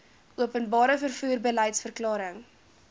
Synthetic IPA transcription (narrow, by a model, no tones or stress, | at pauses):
ʔuəpənbɑːɾəfərfuːrbəlɛjtsfərklɑːɾəŋ